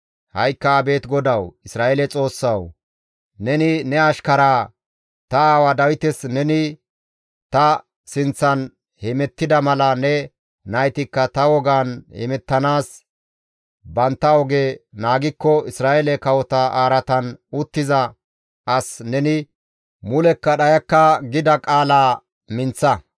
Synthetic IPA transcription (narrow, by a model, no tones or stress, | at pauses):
hɐjkːɐːbe̞ːt̪ɡɔd̪ɐwɪsɾaːʔɛlɛt͡sʼo̞ːsːɐw | nɛnɪnɛɐʃkɐɾaː | t̪ɐaːwɐd̪ɐwɪt̪ɛsnɛnɪ | t̪ɐ | sɪnt͡sːɐn | hɛmɛt̪ːɪd̪ɐmɐlɐnɛ | nɐjt̪ɪkːɐt̪ɐwɔɡaːnhɛ̰mɛt̪ːɐnaːs | bɐnt̪ːɐɔɡeːnaːɡɪkːɔɪsɾaːʔɛlɛkɐwɔt̪ɐʔaːɾɐt̪ɐnʊt̪ːɪzɐ | ʔɐsnɛnɪ | mʊlɛkːɐɗɐjɐkːɐɡɪd̪ɐkʼaːlaː | mɪnt͡sːɐ